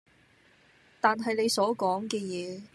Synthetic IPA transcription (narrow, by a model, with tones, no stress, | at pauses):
t̪aː˨nɦɐ˨jne˨˧jsɔː˨˥kɔː˨˥ŋkɛː˧jɛː˨˧